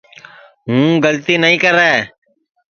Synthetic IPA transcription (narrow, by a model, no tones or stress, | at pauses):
ɦũːɡəlt̪iːnəĩːkəɾɛː